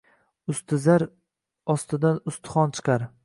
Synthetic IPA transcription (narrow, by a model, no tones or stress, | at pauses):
ʊst̪ʰɪzaɾ | ɒst̪ɪd̪anʊst̪ʰɪ̥χɒnt͡ʃʰɨ̥qʰɑɾ